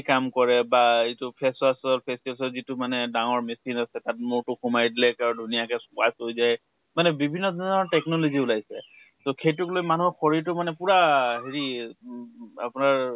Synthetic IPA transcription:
kamkɔɹɛbaitʊpʰɛstbasalpʰestibalsɔlzitʊmanɛdaŋɔɹmisinasɛtat̚mʊɹtʊxumajdilɛkaɹudʱunijakɛsʊkasojzaj | manɛbibʱinːɔzɔɔɹtɛknɔloziʊlajsɛ̰ | tokʰejtʊklojmanuɦɔxʰɔɹiɹtʊmanɛpuɹaɦeɹi | a̰pʊnaɹ

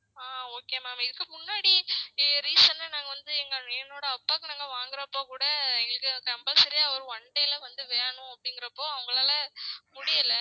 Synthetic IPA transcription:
aːoːkeːmaːmɪðɯkːɯmʊnːaːɽiɾiːsɐnːɐnaːŋɡɐʋɐnd̪ɯɛŋɡɐɛnːoːɽɐɐpːaːkːɯnaːŋɡɐʋaːŋɡɪɾɐpːoːkuːɽɐɛŋɡɐɭɯkːɯkɐmbɐlsɐɾɪjaːʋɔɾɯʋɐɳɖɐjlɐʋɐnd̪ɯʋeːɳʊ̃ɐpːɐɽɪŋɡɪɾɐpːoːɐʋɐŋɡɐɭaːlɐmʊɽɪjɐlɐ

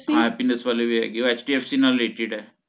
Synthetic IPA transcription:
ɦãːɛpinəsʋaːlebʱiɦɛ̰ːɡioeːt͡ʃʈiːeːpsiːnalːeːʈeɖɛː

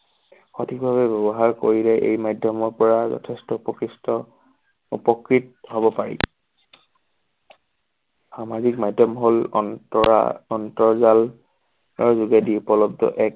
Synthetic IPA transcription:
xotʰik̚bʱaβɛbɔbɔɦaɹkoɹilɛʔḛjmajdʱɔmɔɹpɔɹazɔ̰tʰestɔupɔkɹistɔ | ṵpɔkɹit̚hɔbɔpaɹḭ | xamazik̚majdʱɔmɦol̰ | ɔntɔɹzal | ɔɹzuɡadiupɔlɔb̚dʱɔ̰ʔɛk̚

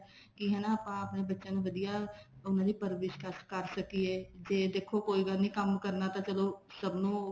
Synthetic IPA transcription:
kiɦɛ̃ːnaəːpãəpnebətːʃãnũbəd̪ijaʊnãnipəɾʋɪʃkəskəɾsəkied͡ʒeːd̪eːkʰokoːiɡənĩkəmkəɾnat̪at͡ʃəlosəbnõː

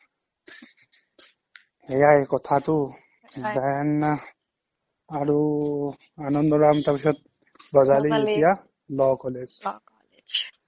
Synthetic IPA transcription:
ejajkɔtʰatʊ | d̪ajana | aɹu | anɔndɔɹamtapisɔt̚ | bɔzalietija | lɔkɔlez

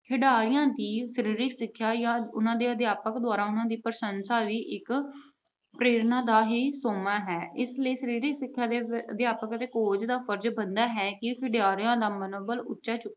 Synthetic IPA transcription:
kʰɪɖaːɾɪjãːd̪iːsəɾiːɾɪksɪkʰːjaːjãːʊ̰nãːd̪eːəd̪jaːpəkd̪owaːɾaːʊnãːd̪iːpəɾəsənsaːʋiːʔɪk | pɾeːɾnãːd̪aːɦiːsoːmaːɦɛːɪsləiːsəɾiːɾɪksɪkʰːjaːd̪eːəd̪jaːpəkət̪eːkoːd͡ʒd̪aːfʰəɾd͡ʒbənd̪aːɦɛːkɪkʰɪɖaːɾjãːd̪aːmənoːbəlʊ̰tːʃaːt͡ʃʊkː

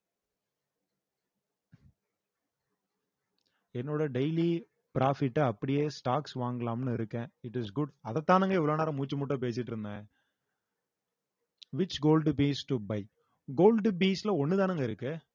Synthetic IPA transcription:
ɛnːoːɽɐɖeɪli | pɪɾaːfɪʈːɯɐpːɐɽɪjeːsʈaːksʋaːŋɡɐlaːmnɯɪɾɯkːẽːɪʈɪsɡʊɖɐðɐt̪ːaːnɐŋɡɐɛʋɐɭoːnaːɾɐ̃muːt͡ʃːɐmuʈːɐ̃p̬eːsɪʈːɪɾɯnd̪ẽː | ʋɪt͡ʃɡoːlɖbiːsʈʊbɐɪ | ɡoːlɖbiːslɐɔnːɯt̪aːnɐŋɡɐɪɾɯkːɯ

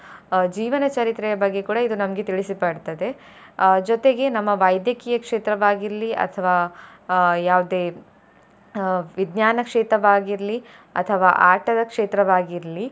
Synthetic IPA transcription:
d͡ʒiːʋɐnɐt͡ʃɐɾit̪ɾɛjɐbɐɡːe̞kuːɽɐid̪unɐmɐɡet̪iɭisipɐɖt̪ɐd̪e̞ | d͡ʒɔt̪e̞ɡe̞nɐmːɐʋɐjd̪jɐkiːjɐkʂeːt̪ɾɐʋaːɡiɾliɐ̰t̪ʰɐʋaː | jaːʋud̪eː | ʋid̪njaːnɐkʂeːt̪ɾɐʋaːɡiɾliɐ̰t̪ʰɐʋaːʔaːʈɐd̪ɐkʂeːt̪ɾɐʋaːɡiɾli

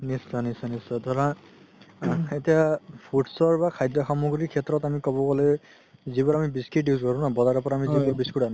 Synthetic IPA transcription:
nisɔnisɔnisɔdʱɔɹã | etijapʰuʈsɔɹbakʰajdɹɔxamuɡɹikʰɛtɹɔtamikɔbɔkɔlɛ | zibɔɹamibiskiʈiuzkɔɹũnabɔzaɹɔpɔɹaːmizibɔbiskuɾan

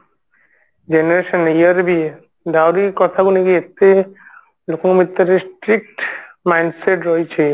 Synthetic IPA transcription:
d͡ʑeneɾeʃoneiaɾbie | d̪awɾiɾkɔt̪ʰaɡuniɡiet̪e | lokoŋmit̪ːaɾesʈɾik̚ʈmajnɖseʈɾojt͡ɕʰe

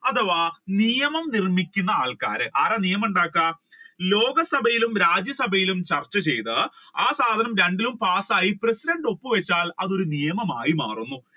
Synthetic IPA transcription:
ɐt̪ʰɐʋaːnijɐmɐmnirmikʲːunːɐaːɭkaːɾɨʔaːrɐnijɐmuɳɖaːkːaːlo̞ːɡɐsɐbʱɐjilumɾaːd͡ʑjɐsɐbʱɐjilumt͡ɕɐrt͡ɕːɐt͡ɕe̞jt̪ɨaːsaːd̪ʱɐnɐmɾeɳɖilumpaːsaːjipresiɖɐɳɖo̞pːɨʋet͡ɕːaːlɐðo̞ɾunijɐmɐmaːjima̰ːrunːu

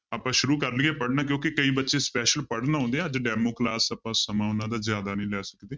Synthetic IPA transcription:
aːpãːʃʊɾuːkəɾlɪːeːpəɽnaːk̬jõːkɪkəiːbətːʃeːspɛːʃəlpəɽnaːɦõːnd̪eːɛːəd͡ʒɖɛːmoːklaːsəpãːsəmãːʊnãːd̪aːzjaːd̪aːnəĩːlɛːsəkd̪eː

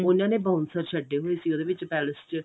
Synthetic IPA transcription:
ʊnãːneːbãːʊnsəɾt͡ʃʰəɖeːɦoeːsiːoːd̪eːʋɪt͡ʃpɛːləst͡ʃ

